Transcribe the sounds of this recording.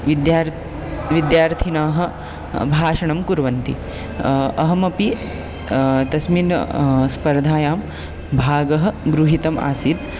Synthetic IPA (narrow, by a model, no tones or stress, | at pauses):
d̪j | ʋid̪jaːɾt̪ʰinaːɦɐ̆ | bʱaːʂɐɳɐmkuɾʋɐnt̪i | ɐɦɐmɐpi | t̪ɐsminspɐɾd̪ʱaːjaːm | bʱaːɡɐɦɐ̆ɡɾuɦit̪ɐma̰ːsid̪